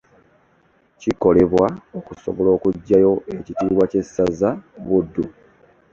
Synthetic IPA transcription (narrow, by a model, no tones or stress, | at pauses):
ciko̞le̞βwaokuso̞̰βo̞lo̞ːkuɟːajo̞e̞citiːβwace̞sazaβudːu